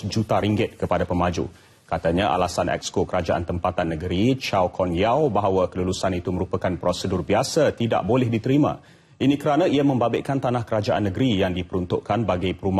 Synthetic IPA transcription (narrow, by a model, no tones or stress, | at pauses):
d͡ʒut̪aɾiŋɡɪt̪̚kəpadapəmad͡ʒṵ | kat̪aɲaʔa̰lasanʔɛ̰kskokəɾad͡ʒaʔa̰nt̪əmpat̪anːəɡəɾit͡ʃawkʰɔnjawbaɦawakəlulusanit̪uməɾupakanpɾosədurbiasat̪ida̰ʔbolɛhdit̪əɾimã̰ | inĩkəɾanãiamə̃mbabɪʔkant̪anahkəɾad͡ʒaʔanːəɡəɾijaŋdipəɾunt̪ʊʔkanbaɡajpəɾuma